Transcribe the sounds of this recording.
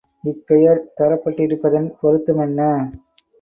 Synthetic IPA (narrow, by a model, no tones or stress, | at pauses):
ɪpːɛjɐɾt̪ɐɾɐpːɐʈːɪɾɯpːɐðɐnpɔɾɯt̪ːɯmɛnːɐ